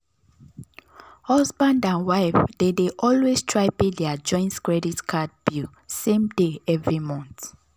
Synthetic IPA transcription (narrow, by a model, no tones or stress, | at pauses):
hɔsbãndãnwaɪfdedeʔɔlwestʰɹaɪpĩdɛad͡ʒɔ̃ɪ̃ntkɹɛditkʰad̚b̥u | sẽmdeɛvɹimɔ̃nt